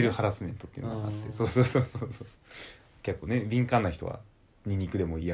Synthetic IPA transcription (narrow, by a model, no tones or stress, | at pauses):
eɾɯ̟haɾasɨmẽ̞nt̪ot̪ːeḭɯ̰o̰aat̪ːe̞soːsoːsoːsoːsoː | ke̞kːo̞ːne̞bʲĩŋkãnːaçi̥t̪o̞̰βa̰ | ɲ̟iɲ̟ikɯ̟d̪e̞mo̞ija